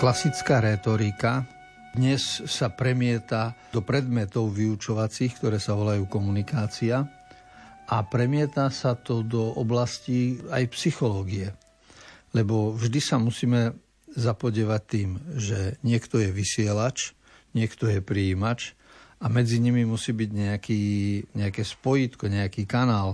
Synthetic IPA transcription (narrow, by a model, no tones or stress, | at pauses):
klasit͡skaːɾɛt̪ɔɾika | d̪ɲɛsːapɾɛmɪɛt̪ad̪ɔpɾɛd̪mɛt̪ɔʊʋiut͡ʃɔʋat͡siːxkt̪ɔɾɛːsaʋɔlajuːkɔmunikaːt͡sia | apɾɛmɪɛt̪asat̪ɔd̪ɔɔblasciajpsixɔlɔːɡiɛ | lɛbɔvʒd̪isamusiːmɛ | zapɔɟɪɛʋac̚t̪iːmʒɛɲɪɛkt̪ɔjɛʋisɪɛlat͡ʃ | ɲɪɛkt̪ɔjɛpɾiiːmat͡ʃ | ʔamɛd͡ziɲimimusiːbiɟɲɛakiːɲɛakɛːspɔjit̪kɔɲɛakiːkanaːl